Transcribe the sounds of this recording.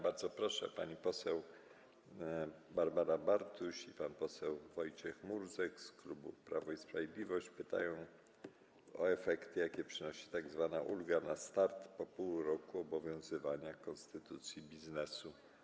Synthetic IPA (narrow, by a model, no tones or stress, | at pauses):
baɾd̪zɔpɾɔʂɛ̰pa̰ɲipɔsɛw | baɾbaɾabaɾt̪uɕipanpɔsɛwvɔjt͡ɕɛxmuɾzɛksklubupɾavɔispɾavʲjed̪lʲivɔɕt͡ɕpɘt̪a̰jɔ̃w̃ | ɔ̰ɛfɛkt̪ɘjakʲɛpʂɘnɔɕi̥t̪aɡzvanaʔulɡanast̪aɾt̪pɔpuwɾɔkuɔbɔvʲjɔ̃w̃zɘvaɲakɔnst̪ɘt̪ut̪sʲjibʲiznɛsu